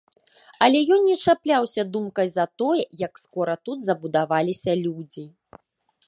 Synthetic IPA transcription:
ɐlʲɛjɔnʲːɛt͡ʂaplʲawsʲɐd̪umkɐjzɐt̪ɔjɛjɐkskɔɾɐt̪ud̪zɐbud̪avalʲisʲɐlʲud͡zʲi

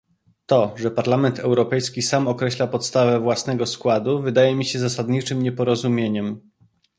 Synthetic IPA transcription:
t̪ɔʐɛpaɾlamɛnt̪ʰɛwɾɔpɛjskʲisamɔkɾɛɕlapɔt̪st̪avɛvwasnɛɡɔskwad̪uvɘd̪ajɛmʲiɕɛzasad̪ɲit͡ʂɘmɲɛpɔɾɔzumʲjeɲɛm

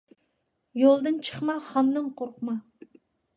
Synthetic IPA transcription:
jolˠd̪ɨnt͡ʃʰə̥χmɑχɑnd̪ɨnqʰoɾqmɑ

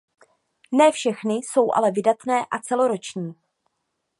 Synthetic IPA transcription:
nɛːfʃɛxnɪso̞wʔa̰lɛvɪdat̪nɛːʔat͡sɛlo̞ɾo̞t͡ʃɲiː

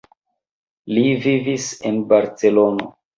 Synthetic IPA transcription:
livivisenbaɾt͡se̞lo̞no̰

